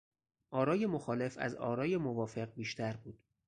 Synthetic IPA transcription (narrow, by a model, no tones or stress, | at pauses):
ʔɒːɾɒːje̞moxɒːle̞fæ̰zɒ̰ːɾɒːje̞movɒːfe̞ɢ̚biːʃt̪ʰæɾbuːd̪̥